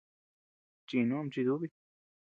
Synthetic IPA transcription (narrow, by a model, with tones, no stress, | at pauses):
t͡ʃi˧nũ˦˧mt͡ʃi˧ðu˦βi˦˧